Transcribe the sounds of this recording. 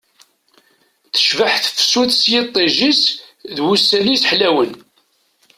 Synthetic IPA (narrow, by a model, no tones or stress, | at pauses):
θə̥ʃvəħθfsuθsjɪt̪ˤːiʒisðwusːælisħlæwən